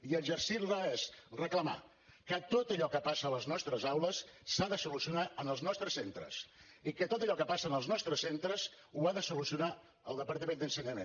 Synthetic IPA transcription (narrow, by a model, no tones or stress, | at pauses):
iəʒərsiɾlaesrəkləma̰ | kət̪ot̪əʎɔkəpasələznɔst̪ɾəzawləsːaðəsulusiunaənəlˠznɔst̪ɾəsːent̪ɾə̰s | ikət̪ot̪əʎɔkəpasənəlˠznɔst̪ɾəsent̪ɾəs | uaðəsulusiuna | ə̰lˠd̪əpəɾt̪əmẽnd̪ənsəɲəmḛ